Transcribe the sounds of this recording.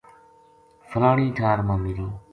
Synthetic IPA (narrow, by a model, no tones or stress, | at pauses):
fʰəlaːɳiːʈʰaːɾmãːmiːɾoː